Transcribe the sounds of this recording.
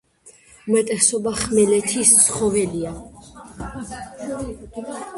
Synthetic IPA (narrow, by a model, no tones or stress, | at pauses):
umɛt̪ʼɛsɔbaχmɛlɛt̪ʰist̪sʰχɔvɛlia